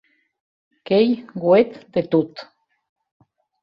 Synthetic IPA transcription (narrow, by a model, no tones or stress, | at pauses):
kejɡwet̪d̪et̪ut̪